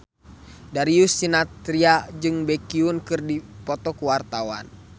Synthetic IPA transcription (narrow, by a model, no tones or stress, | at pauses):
daɾiusinat̪ɾiad͡ʒɨŋbɛkiunkɨrdipɔt̪ɔkuwart̪awa̰n